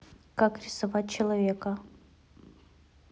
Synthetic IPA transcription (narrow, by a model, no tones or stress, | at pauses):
kakɾʲɪsɐvat̚ʲt͡ɕɪlˠɐvʲekə